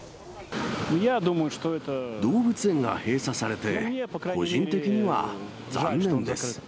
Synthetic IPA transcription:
jad̪uməjʊʂt̪oɛt̪əd̪o̞ːbɯ̟t͡sɨẽ̞ŋɡa̰he̞ːsasaɾe̞t̪e̞ko̞ʑĩnt̪e̞kʲiɲ̟iβa̰ | d͡zã̰nːẽ̞nd̪esɨ̥

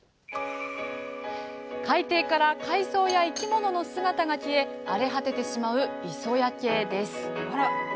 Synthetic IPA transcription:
kait̪e̞ːkaɾakaiso̞ːjaikʲimo̞no̞no̞sɨɡat̪aɡakʲie̞ | aɾe̞ɦat̪e̞t̪e̞ɕimaɯ̟iso̞jake̞ːd̪e̞sɨ̥

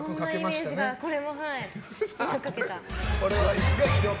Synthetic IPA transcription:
nkaːaeimaeɕ̞ːd͡ʑiɡako̞ɾe̞mo̞ɦai | kake̞t̪aoɾeβaisɨɡat͡ɕo

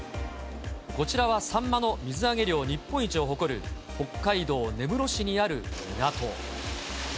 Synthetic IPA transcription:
ko̞t͡ɕiɾaβasãmːano̞mʲizɨaɡe̞ɾʲo̞ːɲ̟ipːõit͡ɕio̞ɦo̞ko̞ɾɯ̟ | ho̞kːaid̪o̞ːne̞bɯ̟ɾo̞ɕiɲ̟iaɾɯ̟nat̪o̞

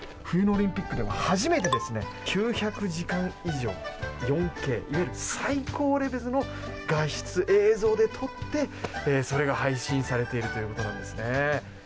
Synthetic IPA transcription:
ɸɯ̟jɯ̟no̞ːɾʲĩmpʲikːɯ̟d̪e̞ma̰haʑime̞t̪e̞d̪e̞sɨne̞̰ | kʲʰɨːçakɯ̟ʑikãɰ̃iʑo̞̰ːjõ̞ŋke̞̰ːʔiβajɾɯ̟saiko̞ːɾe̞be̞zɨno̞ | ɡaɕi̥t͡sɨʔe̞ːzo̞ːd̪e̞t̪ʰo̞t̪ːe̞so̞ɾe̞ɡahaiɕĩɰ̃saɾe̞t̪e̞iɾɯ̟t̪o̞jɯ̟ko̞t̪o̞nã̰nd̪esɨne̞

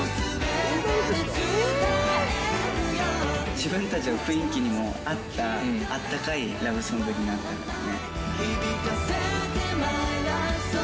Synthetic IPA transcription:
d͡ʑibɯ̟̃nt̪at͡ɕiβaɸɯ̟ĩŋkʲiɲ̟imo̞at̪ːaat̪ːakaiɾaβɯ̟sõmbɯ̟ɾʲinaɾɯnad̪sne

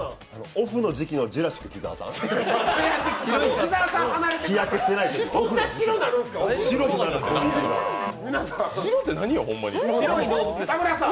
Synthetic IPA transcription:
anooɸɯ̟no̞d͡ʑikʲino̞d͡ʑiɾaɕi̥kɯ̟kʲiza̰ːsã̰d͡ʑiɾaɕikɯ̥okʲizaːsãhanaɾet̪eijakessenait̪sõnːaɕiɾonaɾɯ̃nsɨ̥kaɕiɾot̪enaɾɯsoiḛminasaiɾot̪ːenaɲ̟ijohõmːa̰ɲʲiɾoit̪amɯɾasã

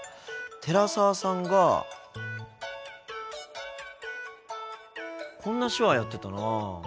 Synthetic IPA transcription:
t̪ʰe̞ɾasaːsãŋɡa | kʰõ̞nːaɕoβajat̪ːe̞t̪ana

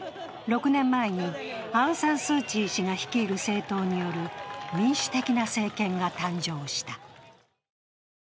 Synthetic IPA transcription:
ɾo̞kɯ̟nẽ̞mːae̞ɲ̟iãɯ̟̃sãɰ̃sɨːt͡ɕiːɕiŋaçi̥kʲiːɾɯ̟se̞ːt̪o̞ːɲ̟ijo̞ɾɯ̟mʲĩɰ̃ɕɨ̥t̪e̞kʲinase̞ːkẽ̞ŋɡat̪ãɲd͡ʑo̞ːɕi̥t̪a

